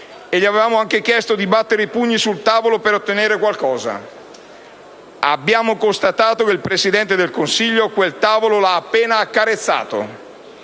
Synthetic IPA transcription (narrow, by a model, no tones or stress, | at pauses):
eʎːiavevaːmoaŋkek̟jɛst̪od̪ibat̪ːeɾeipuɲːisult̪aːvolopeɾot̪ːeneːɾekwalkɔːza̰ | a̰bːjaːmokost̪at̪aːt̪okeilpɾesid̪ɛnt̪ed̪elkonsiʎːokwelt̪aːvololaːpːeːnaːkːaɾet̪sːa̰ːt̪o̰